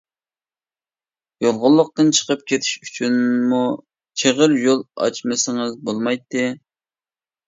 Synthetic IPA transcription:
jolˠʁʊlˠːʊq̚t̪ɨnt͡ʃʰə̥qəp̚kʲʰet̪ʰi̥ʃyt͡ʃʰynmu | t͡ʃʰeʁəɾjolˠɑ̰t͡ʃmɨsɪŋɨzbolˠmɑjt̪ːɨ

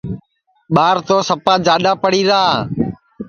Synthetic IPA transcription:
ɓaːɾt̪oːsəpaːd͡ʒaːɗaːpəɽiːɾaːaː

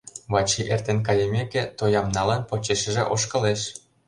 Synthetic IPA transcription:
βɑt͡ɕiʔert̪enk̬ɑjemekʲĕt̪ojɑmnɑlɑnpot͡ɕeʃə̆ʒeʔoʃkɤ̆leʃ

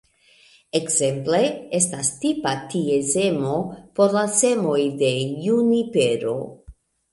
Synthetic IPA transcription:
ekze̞mple̞e̞stastipatieze̞mo̞po̞ɾlase̞mo̞jde̞junipe̞ɾo̞̰

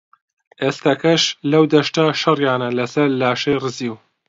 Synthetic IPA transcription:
ʔeːst̪ɐkɐʃlɐwd̪ɐʃt̪ɐʃɐrjaːnɐlɐsɐɾlaːʃɐjrɨziw

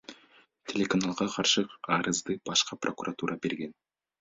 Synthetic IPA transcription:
t̪ʲʰe̞lʲe̞kanalˠʁɑqʰɑɾʃəɑɾəzd̪əb̥ɑʃqɑprʔo̞kuɾʔat̪uɾʔɑbe̞ɾɡʲe̞n

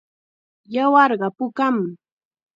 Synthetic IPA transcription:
jawɑɾɢɑpʊkam

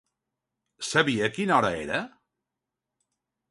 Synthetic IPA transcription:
səβiəkinɔɾə̰ḛɾə

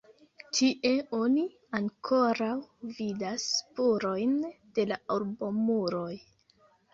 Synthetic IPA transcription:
tʰiʔe̞o̞ni | aŋkʰo̞ɾawvidaspuɾo̞jnd̥e̞laolbo̞muɾoj

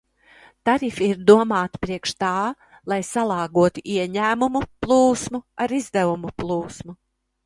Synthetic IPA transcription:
t̪aɾifiiɾd̪uɔmaːt̪i̥pɾiɛkʃt̪aː | lˠajsalˠɑːɡuɔt̪uʔiɛɲæːmumuplˠuːsmuaɾizd̪ævumuplˠuːsmu

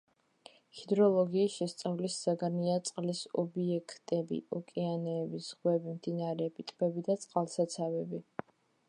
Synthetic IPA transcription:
hid̪ɾɔlˠɔɡiːsʃɛst̪sʼavlisːaɡaniat̪sʼqʼlisɔ̰biɛkʰt̪ʼɛbḭɔkʼianɛːbisʁwɛbimd̪inaɾɛpʰʼit̪ʼbɛbid̪at̪sʼqʼalˠsat̪sʰavɛbi

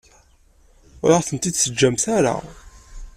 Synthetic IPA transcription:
ʊɾaʁθənt̪id̪səd͡ʒːæmθæɾa̰

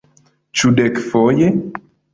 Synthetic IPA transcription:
t͡ʃudɛkfɔje

